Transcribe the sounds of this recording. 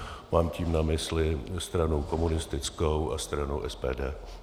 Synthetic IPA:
maːmciːmnamɪslɪst̪ɾanokomunɪst̪ɪt͡skowʔa̰st̪ɾano̰wʔɛspɛːdɛː

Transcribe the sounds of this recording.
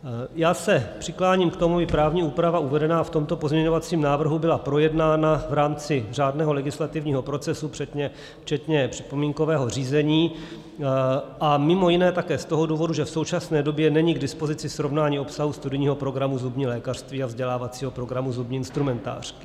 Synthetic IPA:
jaːsɛpr̥ɪklaːɲiːmkt̪o̞mubɪpɾaːvɲiːuːpɾavaʔuvɛdɛnaːft̪o̞mt̪o̞pozmɲɛɲo̞vat͡siːmnaːvr̩ɦubɪlapɾo̞jɛdnaːnavɾaːmt͡sɪr̝aːdnɛːɦo̞lɛɡɪslat̪ɪvɲiːɦo̞pɾo̞t͡sɛsupr̝̥ɛt̪ɲɛ | ft͡ʃɛt̪ɲɛpr̝̥ɪ̥po̞miːŋko̞vɛːɦo̞riːzɛɲiː | ʔamɪmo̞jɪnɛːt̪akɛːst̪o̞ɦoduːvo̞duʒɛfso̞wt͡ʃasnɛːdo̞bjɛnɛɲiɡdɪspo̞zɪt͡sɪsɾo̞vnaːɲiːo̞psaɦust̪udɪɲiːɦo̞pɾo̞ɡɾamuzubɲiːlɛːkar̝̥st̪viːavzɟɛlaːvat͡siːɦo̞pɾo̞ɡɾamuzubɲiːɪnst̪ɾumɛnt̪a̰ːr̝̥kɪ̥

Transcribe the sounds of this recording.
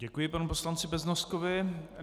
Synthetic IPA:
ɟɛkujɪpanupo̞slant͡sɪbɛznost̪̚kovɪ

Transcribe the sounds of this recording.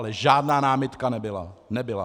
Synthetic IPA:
lɛʒaːdnaːnaːmɪt̪kanɛbɪlanɛbɪla̰

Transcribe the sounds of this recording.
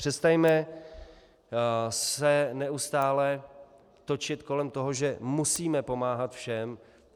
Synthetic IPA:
r̥ɛst̪ajmɛ | sɛnɛust̪aːlɛ | t̪o̞t͡ʃɪt̪ko̞lɛmt̪o̞ɦo̞ʒɛmusiːmɛpo̞maːɦat̪fʃɛm

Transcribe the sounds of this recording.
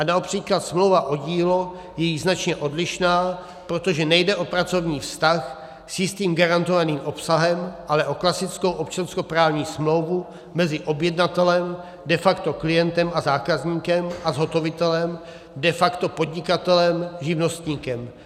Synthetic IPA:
ʔanaopr̥iːklat̪smlowvaʔo̞ɟiːlo̞ | jɛjiznat͡ʃɲɛʔo̞dlɪʃnaː | pɾot̪o̞ʒɛnɛjdɛʔo̞pɾat͡so̞vɲiːfst̪ax | sjɪst̪iːmɡaɾant̪o̞vaniːmʔo̞psaɦɛmʔalɛʔo̞klasɪt͡sko̞wʔopt͡ʃansko̞pɾaːvɲiːsmlo̞wvu | mɛzɪʔo̞bjɛdnat̪ɛlɛm | dɛfakt̪o̞klɪjɛnt̪ɛmazaːkazɲiːkɛmʔazɦo̞t̪o̞vɪt̪ɛlɛm | dɛfakt̪o̞po̞dɲɪkat̪ɛlɛmʒɪvno̞st̪ɲiːkɛm

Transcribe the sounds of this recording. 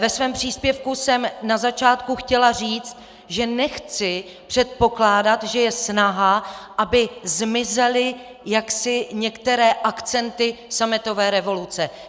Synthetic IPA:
vɛsvɛːmpr̝̥iːspjɛfkusɛmnazat͡ʃaːt̪kuxcɛlar̝iːt͡st̪̚ | ʒɛnɛxt͡sɪ | pr̝̥ɛt̪̚po̞klaːdat̪ʒɛjɛsnaɦaʔabɪzmɪzɛlɪ | jaksɪɲɛkt̪ɛɾɛːʔakt͡sɛnt̪ɪsamɪt̪o̞vɛːɾɛvo̞lut͡sɛ

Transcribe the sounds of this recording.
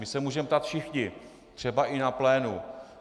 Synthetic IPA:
mɪsɛmuːʒɛmɛpt̪at̪fʃɪxɲɪ | t̪r̝̥ɛbaʔɪnaplɛːnu

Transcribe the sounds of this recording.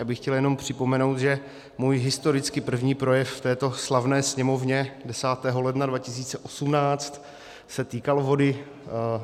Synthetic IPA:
jaːbɪxːcɛljɛno̞mpr̝̥ɪpo̞mɛno̞wt̪ʒɛ | muːjɦɪst̪o̞ɾɪt͡skɪpr̩vɲiːpɾo̞jɛfft̪ɛːt̪o̞slavnɛːsɲɛmo̞vɲɛdɛsaːt̪ɛːɦo̞lɛdnadvacɪsiːt͡sɛʔo̞sumnaːt͡st̪ | sɛt̪iːkalvo̞dɪ

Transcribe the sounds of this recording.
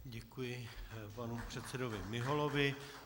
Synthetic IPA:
ɟɛkujɪpanupr̝̥ɛt̪sɛdovɪmɪɦolovɪ

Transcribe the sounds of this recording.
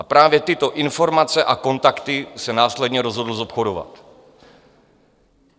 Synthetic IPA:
apɾaːvjɛt̪ɪt̪o̞ʔɪnfo̞ɾmat͡sɛʔako̞nt̪akt̪ɪsɛnaːslɛdɲɛɾo̞zɦo̞dl̩zo̞pxo̞dova̰t̪

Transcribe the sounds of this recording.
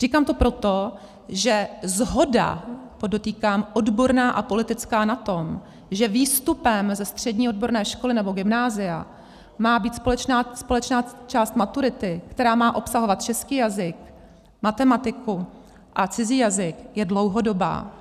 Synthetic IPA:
r̝iːkaːmt̪opɾo̞t̪o̞ | ʒɛzɦo̞da̰poddo̞t̪iːkaːmʔodbo̞ɾnaːʔapo̞lɪt̪ɪt͡skaːnat̪o̞m | ʒɛviːst̪upɛmzɛst̪r̝̥ɛdɲiːod̚bo̞ɾnɛːʃko̞lɪnɛbo̞ɡɪmnaːzɪja̰ | maːbiːt̪spo̞lɛt͡ʃnaːspo̞lɛt͡ʃnaːt͡ʃaːst̪mat̪uɾɪt̪ɪkt̪ɛɾaːmaːʔo̞psaɦo̞vat̪̚t͡ʃɛskiːjazɪk̚ | mat̪ɛmat̪ɪku | ʔat͡sɪziːjazɪkjɛdlo̞wɦo̞do̞ba̰ː

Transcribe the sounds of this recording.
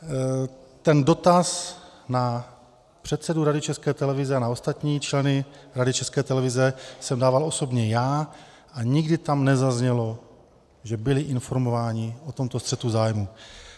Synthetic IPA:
t̪ɛndo̞t̪asna | pr̥ɛt̪sɛduɾadɪt͡ʃɛskɛːt̪ɛlɛvɪzɛanao̞st̪at̪ɲiːt͡ʃlɛnɪɾadɪt͡ʃɛskɛːt̪ɛlɛvɪzɛsɛmdaːvalo̞so̞bɲɛjaː | ʔaɲɪɡdɪt̪amnɛzazɲɛlo̞ | ʒɛbɪlɪʔɪnfo̞ɾmo̞vaːɲɪʔot̪o̞mt̪o̞st̪r̥ɛt̪uzaːjmu

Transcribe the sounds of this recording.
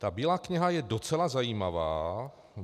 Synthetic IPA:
t̪abiːlaːkɲɪɦajɛdot͡sɛlazajiːmava̰ː

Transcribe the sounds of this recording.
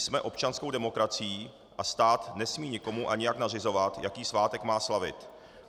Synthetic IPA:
smɛʔo̞pt͡ʃanskowdɛmo̞kɾat͡sɪjiː | ʔast̪aːt̪nɛsmiːɲɪko̞muʔaɲɪjaknarɪzo̞vat̪jakiːsvaːt̪ɛkmaːslavɪ̰t̪

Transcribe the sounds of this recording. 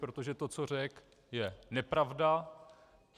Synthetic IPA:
pɾot̪oʒɛt̪o̞t͡so̞r̝ɛk | jɛnɛpɾavda

